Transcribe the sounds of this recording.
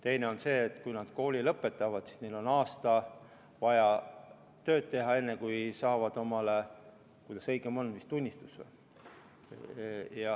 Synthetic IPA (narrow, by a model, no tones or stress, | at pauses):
t̪e̞jneo̞nse̞ːt̪ːˑkujnɑd̪̥ko̞ːlilɤpːˑe̞t̪ːˑɑvɑd̪si̥snejlo̞nɑːst̪ɑ | vɑjɑ | t̪ø̞ːd̪̥̚t̪e̞ɦɑe̞nːekujsɑːvɑd̪̥o̞mɑle | kujd̪ɑsɤjɡemo̞nːmist̪unʲːist̪u̥sḛ | jɑ